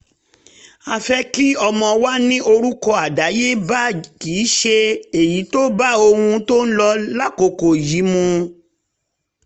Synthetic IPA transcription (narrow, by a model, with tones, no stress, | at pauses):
a˧fɛ˦ki˦ɔ˧mɔ̃˧wa˦nĩ˦o˧ɾu˦kɔ˧a˨da˨˦je˦ba˦kiː˨˦ʃe˧e˨ji˨˦to˦ba˦o˧hũ˧to˦n̩˦lɔ˧la˦ko˧˨ko˨ji˨˦mũ˧